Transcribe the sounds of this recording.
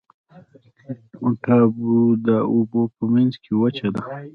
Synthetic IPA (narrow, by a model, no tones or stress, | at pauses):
uʈabud̪əubopəmanzkʰewət͡ʃad̪a